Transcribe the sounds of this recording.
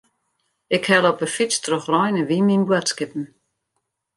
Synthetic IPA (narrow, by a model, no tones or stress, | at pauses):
ɪkhɛləɔpəfistʰrɔxrɔjnəʋiminbwətskɪp̚n̩